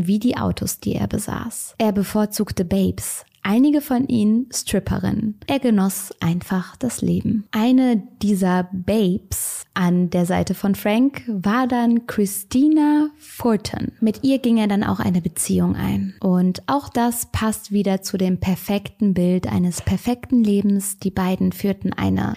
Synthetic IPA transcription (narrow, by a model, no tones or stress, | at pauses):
viːdiːʔa̰ʊtʰosd̥ḭːḛːɐbəza̰ːsʔeːɐbəfoːɐt͡suːktəbeɪps | ʔaɪnɪɡəfɔnʔḭːnənstʁ̥ɪpʰɐ̰ʁɪ̰nʔeːɐɡənɔsʔaɪnfaχd̥aslḛːbm̩ʔaɪnəd̥iːzɐbeɪpsʔandeːɐzaɪtəfɔnfʁ̥aŋkvaːɐdankʁ̥ɪstʰiːnafɔtʰə̰nmɪtʔiːɐɡɪŋeːɐdana̰ʊxʔa̰ɪnəbət͡sḭːʊŋʔa̰ɪnʔʊntʔaʊxd̥aspʰastv̥iːdɐt͡sudeːmpʰɛɐfɛktn̩bɪltʔa̰ɪnəspʰɛɐfɛktn̩leːbm̩sd̥iːbaɪdn̩fyːɐtn̩ʔa̰ɪnə̰